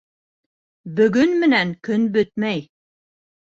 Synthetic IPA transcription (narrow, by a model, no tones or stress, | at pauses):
bɵ̆ɡɵnmɘ̆næŋkɵnbɵt̪̚mæj